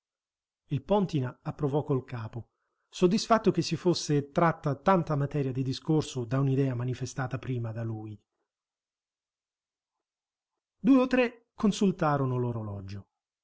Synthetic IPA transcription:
ilpɔnt̪inaapːɾovɔkːolkaːpo | sod̪ːisfat̪ːok̟esːifosːet̪ɾat̪ːat̪ant̪amat̪ɛːɾjad̪id̪iskorsod̪aunid̪ɛːamanifest̪aːt̪apɾiːmad̪aluj | d̪uːeot̪ːɾe | kːonsult̪aːɾonoloɾolɔd͡ʒo

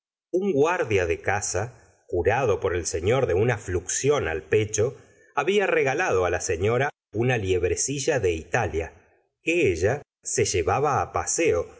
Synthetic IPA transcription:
uŋɡwaɾðjaðekasa | kuɾaðo̞po̞ɾe̞lse̞ɲo̞ɾðe̞unafluksjo̞na̰lpet͡ʃo̞ | aβiareɣalaðo̞alaseɲo̞ɾa | unaljeβ̞ɾesiʒaðe̞it̪alja̰ | keeʒa | se̞ʒeβaβaːpaseo̞

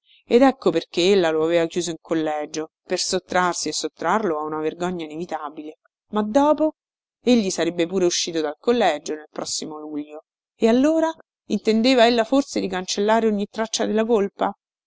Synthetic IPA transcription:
ed̪ɛkːoperk̟eelːaloaveːvakjuːzoiŋkʰolːɛːd͡ʒo | persot̪ːɾarsiesːot̪ːɾarloaunaverɡɔɲːainevit̪abile | mad̪ːɔːpo | eʎːisaɾebːepuːɾeuʃːiːt̪od̪alkolːɛd͡ʒonelpɾɔsːimoluʎːo | ealːoːɾa | int̪end̪eːvaelːaforsed̪ikant͡ʃelːaːɾeoɲːit̪ːɾat͡ʃːad̪elːakolpa

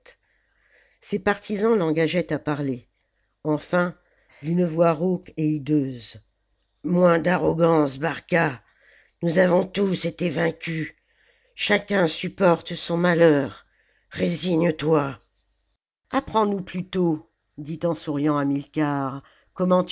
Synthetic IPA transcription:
t̪ | sepaʁt̪ʰizɑ̃lɑ̃ɡaʒɛt̪apaʁle | ɑ̃fɛ̃ | d̪ynəvwaʁokeid̪øːz | mwɛ̃d̪aʁɔɡɑ̃sbaʁka | nuzavɔ̃t̪uset̪evɛ̃kʲy | ʃakʲɛ̃sypɔʁt̪sɔ̃malœːʁ | ʁeziɲət̪wa | apχɑ̃nuplyt̪o | d̪it̪ɑ̃suʁjɑ̃amilkʲaʁ | kɔmɑ̃t̪

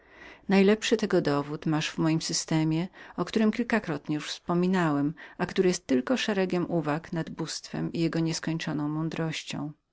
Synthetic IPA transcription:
najlɛpʂɘt̪ɛɡɔd̪ɔvut̪maʂvmɔjimsɘst̪ɛmʲjɛɔkt̪uɾɘmkʲilkakɾɔt̪ɲɛjuʂfspɔmʲinawɛmakt̪uɾɘjɛst̪ːɘlkɔʂɛɾɛɡʲɛmʔuvaknad̪bust̪fɛ̰mijɛɡɔɲɛskɔɲt͡ʂɔnɔ̃w̃mɔnd̪ɾɔɕt͡ɕɔ̰̃w̃

